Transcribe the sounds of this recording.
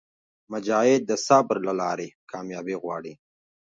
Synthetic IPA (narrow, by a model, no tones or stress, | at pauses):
mad͡ʒɑːɪd̪̚d̪ːəsɑbɾlalɑːɾekʰɑːmjɑbiɣwɑːɽi